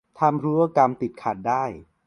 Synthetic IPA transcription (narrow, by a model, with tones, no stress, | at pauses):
t̪ʰa˧mɾuː˦˥wa˥˩ka˧mt̪i˨˩t̪̚kʰa˨˩t̪̚daː˥˩j